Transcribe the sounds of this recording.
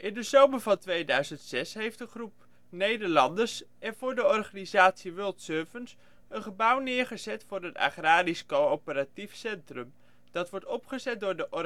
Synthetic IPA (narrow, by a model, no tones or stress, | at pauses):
ʔɪndəzowməɹvɑntʋejdœɥzəntsɛsɦejftdəχrup̚ | nejdəɹlɑndəɹsɛnvʊːɹdəɔrχaːnizaːtsiʋɵlˠtsøɹvəns | ənχəbʌwnɪːɹχəzɛtfʊːɾɦəta̰χraːɾiskowowpəratifsɛntrəm | d̥ɑtʋɔɹtɔpχəzɛt̚dʊːɹdəʔɔ